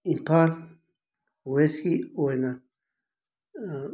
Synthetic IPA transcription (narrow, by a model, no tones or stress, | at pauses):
ĩpal | weskioenã